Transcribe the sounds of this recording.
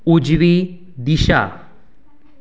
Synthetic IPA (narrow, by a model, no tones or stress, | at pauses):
ud͡ʑʋi | d̪iɕa̰